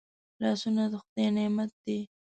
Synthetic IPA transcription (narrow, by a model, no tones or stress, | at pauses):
lɑsunad̪əxʊd̪ejnemat̪̚d̪e